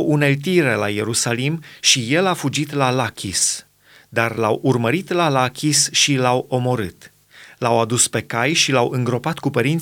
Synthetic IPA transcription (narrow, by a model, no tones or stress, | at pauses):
wʔune̞lt̪̬iɾe̞laje̞ɾusalimʃije̞lafud͡ʒit̪lalakʲʰis | d̪arlawʔurməɾit̪lalakʲisʃilawo̞mo̞ɾɨt̪ | lawad̪uspe̞kajʃilawɨŋɡɾo̞pat̪kupəɾint̪